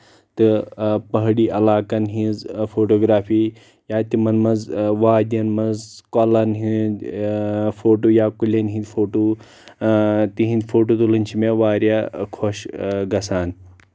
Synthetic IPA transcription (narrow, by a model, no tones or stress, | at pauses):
t̪ɨpɐɦɽiːʔɐlaːkɐnɦĩzfʰoːʈoːɡɾaːfʰiː | jaːt̪imɐnmɐzʋaːd̪ʲɐnmɐzkolɐnɦĩ | fʰoːʈoːjaːkulʲɐnɦĩnd̪ʲfʰoːʈoː | t̪iɦĩnd̪fʰoːʈoːt̪ulɨnʲt͡ʃʰimeʋaːɾjakʰoʃɡɐsaːn